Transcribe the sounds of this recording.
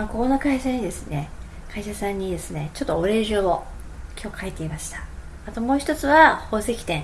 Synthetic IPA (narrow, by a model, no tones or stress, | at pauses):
mako̞ko̞no̞kaiɕaɲ̟id̪e̞sɨne̞ | kʰaiɕasãɲ̟ːid̪e̞sɨne̞t͡ɕo̞t̪ːooɾe̞ːʑoːo | kʲʰo̞ːkʰait̪e̞imaɕi̥t̪ḁ | at̪o̞mo̞ːçʲi̥t̪ot͡sɨβaho̞ːse̞kʲi̥t̪ẽ̞ŋ